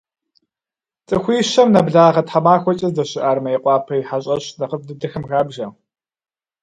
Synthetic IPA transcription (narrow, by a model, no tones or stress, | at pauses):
t͡sʼɨxʷiːɕɐmnɐbɮaːʁɐtħamaːxʷɔt͡ʃʼɐzdɐɕɪʔaːrmɐjɪqʷʼɑːpʰɐjħaɕʼɐɕnɐqəfdɨdɐxɨmɣaːbʒɐ